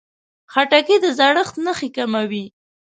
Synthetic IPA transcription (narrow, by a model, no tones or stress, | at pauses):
xaʈakid̪əzaɽəxt̪nəxikamawi